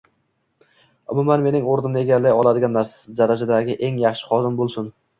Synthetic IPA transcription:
ʊmʊmanme̞nɪŋoɾnɪmneɡʲalːajɒlˠad̪ɪɡʲanːaɾsḁd̪aɾad͡ʒad̪aɡʲɪʔe̞ŋjɑχʃɪ̥χɒd̪ɪmbolˠsʊn

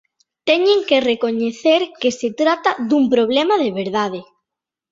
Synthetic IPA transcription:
t̪ɛɲẽŋkerekoɲeθeɾkeset̪ɾat̪aðumpɾoβ̞lɛmaðeβeɾð̞aðe

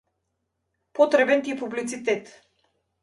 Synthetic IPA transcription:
pɔt̪ɾɛbɛnt̪ipublit̪sit̪ɛt̪

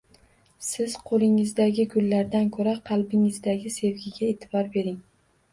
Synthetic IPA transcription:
sɪz̥qʰolˠɪŋɪzd̪aɡʲɪɡʊlːaɾd̪ankʰɵɾaqʰɑlˠbɪŋɪzd̪aɡʲɪse̞vɡʲɪɡʲaet̪ʰɪbɒɾbe̞ɾɪŋ

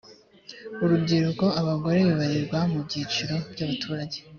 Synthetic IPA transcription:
uɾubɟiɾuko̞aβaɡo̞ɾe̞βiβaɾiɾɡwamubɟiːt͡ʃuɾo̞bɟaβatʰuːɾaɟe

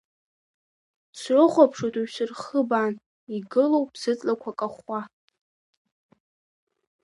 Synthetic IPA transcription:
srɨχʷapʰʂotʰʼuɥsɨrχəban | iɡɨlowpʰsɨt͡sʼlakʷʰakʼaχa

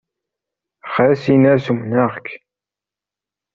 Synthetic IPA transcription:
χɾsinæɾsumnæʁk

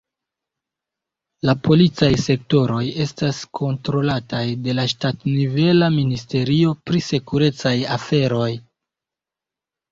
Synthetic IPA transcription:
lapo̞lit͡sajse̞kto̞ɾo̞je̞staskʰo̞ntɾo̞latajde̞laʃtatnive̞laministe̞ɾio̞pɾise̞kuɾe̞t͡sajafe̞ɾo̞j

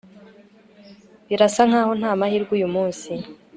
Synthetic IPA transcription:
βiɾasaŋ̥haːho̞n̥haːmahiːɾɡujumuːnsi

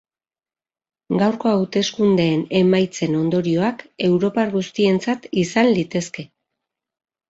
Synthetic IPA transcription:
ɡawɾko̞awt̪e̞skund̪e̞ːne̞majt͡se̞no̞nd̪o̞ɾio̞ake̞wɾo̞paɾɣust̪ie̞nt͡sat̪isanlit̪e̞ske̞

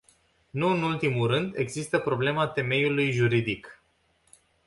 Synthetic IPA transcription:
nuɨnult̪imulɾɨnd̪e̞ɡzist̪əpɾo̞ble̞mat̪e̞me̞julujʒuɾid̪ik

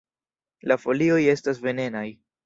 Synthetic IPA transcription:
lafo̞lio̞je̞stas̬ve̞ne̞naj

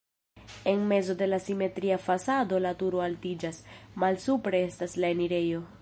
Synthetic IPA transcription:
e̞nme̞zo̞de̞lasime̞tɾiafasado̞latuɾoaltid͡ʒasmalsupɾe̞e̞staslae̞niɾe̞jo̞

